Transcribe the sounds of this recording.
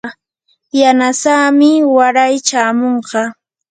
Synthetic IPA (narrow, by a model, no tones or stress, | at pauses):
janasaːmɪwaɾajt͡ʃaːmoɴɢɑ